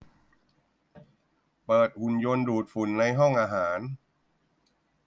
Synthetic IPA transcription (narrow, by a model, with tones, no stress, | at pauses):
pɤː˨˩t̪̚hu˨˩njo˧nduː˨˩t̪̚fu˨˩˦nːa˧jɦɔ˥˩ŋʔaː˧ɦaː˩˦n